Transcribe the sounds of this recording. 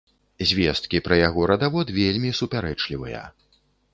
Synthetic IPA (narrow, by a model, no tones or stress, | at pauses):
zʲvʲɛst̪̚kʲipɾɐjaɣɔɾɐd̪avɔt̪vʲelʲmʲisupʲaɾɛt͡ʂlʲivɨ̰jɐ̰